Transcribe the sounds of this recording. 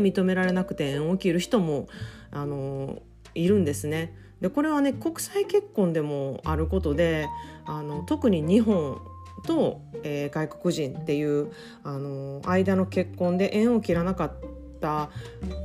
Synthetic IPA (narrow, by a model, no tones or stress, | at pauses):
mʲit̪o̞me̞ɾaɾe̞nakɯ̟̥t̪e̞ẽɰ̃okʲiɾɯ̟çi̥t̪o̞mo̞ano̞ | iɾɯ̟̃nd̪e̞sɨne̞ | d̪e̞ko̞ɾe̞β̞ane̞ko̞kɯ̟̥saike̞kːõ̞nd̪e̞mo̞a̰ɾɯ̟ko̞t̪o̞d̪e̞ano̞t̪o̞kɯ̟ɲ̟iɲ̟iɦõ̞n | t̪o̞ | eːɡaiko̞kɯ̟ʑĩnt̪e̞jɯ̟ː | ano̞aid̪ano̞ke̞kːõ̞nd̪e̞ʔẽ̞ɰ̃o̞kʲiɾanakat̪ː | a